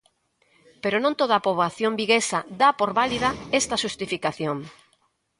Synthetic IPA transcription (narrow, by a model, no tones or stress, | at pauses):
peɾonõnt̪oðapoβaθjõmbiɣesad̪apoɾβaliðaest̪ɐʃust̪ifikaθjoŋ